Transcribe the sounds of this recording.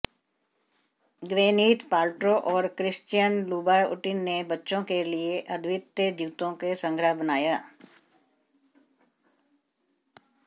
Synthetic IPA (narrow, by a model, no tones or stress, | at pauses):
ɡʋẽːniːt̪paːlʈɾoʔɔːɾkɾɪst͡ʃijənluːbaːʊʈɪnːebətːʃõkelieʔəd̪ʱʋɪt̪əd͡ʒiːt̪õkesə̃ŋɡʱɾəɦbənaːjaː